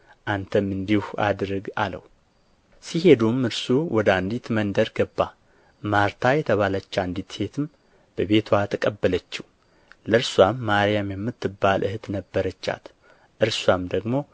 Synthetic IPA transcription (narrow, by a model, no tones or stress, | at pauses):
ʔant̪ʰəmɨnd̪ihua̰d̪ɾɨɡa̰lə̰w | sihe̞d̪umɨɾsuwʔɔd̪and̪it̪mənd̪əɾɡəbːa | maɾt̪ʰajɛt̪ʰəβalət͡ʃːand̪it̪he̞t̪ʰɨm | b̥əβe̞t̪ʰwat̪ʰəkʼəbːələt͡ʃːiw | ləɨɾswamːaɾjamjɛmːɨt̪ːɨbːalʔɨht̪nəbːəɾət͡ʃːa̰t̪ | ʔɨɾswamd̪əɡmo̞